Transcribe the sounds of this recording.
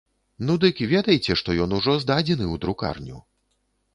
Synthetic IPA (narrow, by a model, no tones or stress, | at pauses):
nud̪ɨkivʲɛd̪ɐjt͡sʲɛʂt̪ɔjɔnuʐɔzd̪ad͡zʲɛnɨwd̪ɾuka̰rnʲṵ